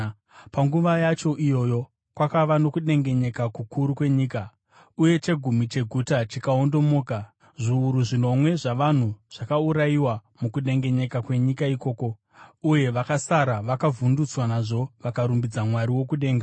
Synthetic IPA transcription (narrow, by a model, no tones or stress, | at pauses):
paŋɡuʋajat͡ʃo̞ʔijo̞ːjo̞ | kwakaʋano̞kuɗe̞ŋɡe̞ɲe̞kakukʰuɾukwe̞ɲiːka | uje̞t͡ʃe̞ɡʱumit͡ʃe̞ɡʱutat͡ʃikaondo̞mo̞ːka | ʐiːɾuʐino̞mwe̞ʐaʋan̤uʐ̥akauɾaiwamukuɗe̞ŋɡe̞ɲe̞kakwe̞ɲikaiko̞ːko̞ | uje̞ʋakasaɾaʋakavundut͡swanaʐo̞ʋakaɾumbid͡zamwaɾiwo̞kuɗe̞ːŋɡa